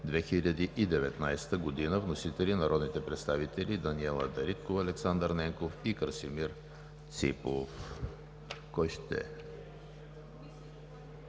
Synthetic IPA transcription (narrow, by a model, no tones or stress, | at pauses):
d̪vɛxilʲɐd̪iʔid̪ɛvɛt̪najst̪əɡod̪inəvnosit̪ɛlinɐɾɔd̪nit̪ɛpɾɛt̪st̪avit̪ɛlʲid̪ɐniɛlˠəd̪ɐɾit̪̚kofɐlɛksand̪əɾnɛŋkofikɾsimiɾ | t̪sḭpof | kɔjʃt̪ɛ̰